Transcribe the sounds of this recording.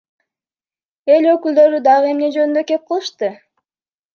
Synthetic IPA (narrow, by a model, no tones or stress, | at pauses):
e̞lø̞kyld̪ø̞ɾyd̪ɑʁɯe̞mne̞d͡ʒønynd̪ø̞ke̞p̚qʰəlˠɯʃt̪ɯ